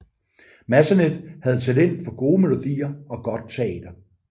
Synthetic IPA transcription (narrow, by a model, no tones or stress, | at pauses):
mæsæned̥hæð̞̩ˠt͡sʰelen̰d̥fɒ̽ɡ̥o̝ːme̝lo̝d̥ḭːɐɒ̽ɡ̥ɒ̽d̥̚t͡sʰeɛ̰ːd̥ɐ